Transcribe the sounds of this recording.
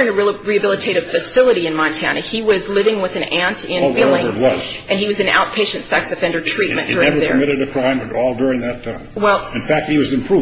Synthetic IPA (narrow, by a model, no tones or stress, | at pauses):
ɹɪ̃ŋɨɹiɨbɪlˠətʰeɪɾɨv̥fɨsɪlˠəɾiɨ̃nmɑ̃ntʰænɨiwʌzlɪvɪ̃ŋwɨðɨ̃næ̃ntɪ̃nilˠɪ̃zwʌzz̥ʔɨ̃niwʌzɨ̃na̰ʊt̚pʰeɪʃɨ̃ntsɛksɨfɛ̃ndə˞tdʰɹ̥it̚mɨ̰̃nd̥ʊɹ̃ŋðə̰˞mɪɾɨɾɨkʰɹ̥ãɪ̃mɨ̃nɔlˠdʊɹɪ̃ŋðɨtʰmwɛlˠɨ̃nfæk̚t̚hiwʌzɨ̃mpʰɹ̥u